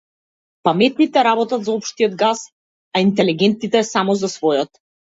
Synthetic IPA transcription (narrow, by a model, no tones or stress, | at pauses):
pamɛt̪̚nit̪ɛɾabɔt̪at̪zaɔpʃt̪ijɔd̪ɡas | aint̪ɛliɡɛnt̪it̪ɛsamɔzasvɔjɔt̪